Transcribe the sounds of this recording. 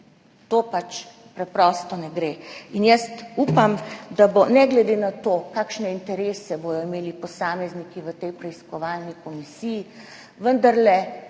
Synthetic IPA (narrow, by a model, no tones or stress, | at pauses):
t̪opat͡ʃ | pɾɛpɾɔːst̪ɔnɛɡɾeinjəst̪uːpamd̪abonɛɡlɛd̪eːnat̪oːkaːkʃnɛint̪ɛɾeːsɛboːj̪ɔimeːlipɔsaːmɛznikiʋət̪ɛjpɾɛiskɔʋaːlnikɔmisiji | ʋənd̪aɾlɛ